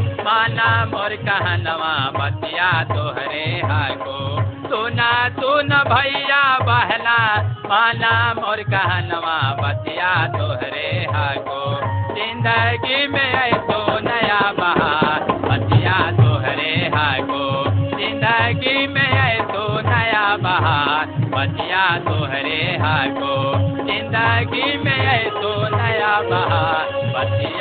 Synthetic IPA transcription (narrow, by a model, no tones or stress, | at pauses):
maːnaːmɔːɾkɐɦãnɐʋãbɐt̪ijat̪oɦɾeɦaɡot̪unat̪unəbʱɐijabɐɦlamaːnaːmɔːɾkɐɦãnɐʋãbɐt̪ijat̪oɦɾeɦaɡozɪ̃nd̪əɡimẽəjt̪onəjabɐɦabɐt̪ijat̪oɦɾeɦakozɪ̃nd̪əɡimẽɐisonəjabɐɦabɐt̪ijat̪oɦɾeɦakozɪ̃nd̪əɡimẽɐisonəjabɐɦabɐt̪